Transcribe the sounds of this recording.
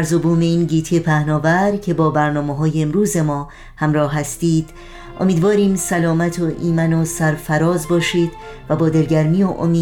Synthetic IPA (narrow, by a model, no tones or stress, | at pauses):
ɾzobuːme̞iːnɟiːt̪ʰepʰæhnɒːvæɾcʰe̞bɒːbæɾnɒːmeɦɒːjeːmɾuːze̞mɒː | hæmɾɒːhːæst̪iːd̪̥ | ʔo̞̰miːd̪vɒːɾiːmsælɒːmæt̪ʰoʔiːmænosæɾfæɾɒːzbɒːʃiːd̪̥ | væbɒːd̪e̞ɾɟæɾmijoʔo̰miː